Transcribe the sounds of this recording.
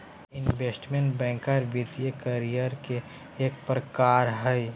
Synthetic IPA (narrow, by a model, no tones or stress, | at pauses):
ɪnʋeːsʈmẽɳʈbɛ̃ːŋkaɾʋɪd̪jekəɾijəɾkeː | k̚pɾəkaːɾɦɛj